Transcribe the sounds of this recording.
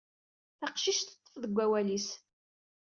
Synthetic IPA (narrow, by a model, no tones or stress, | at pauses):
θɑqʃiʃt̪ə̥t̪ˤːə̥fðəɡʷːæwælis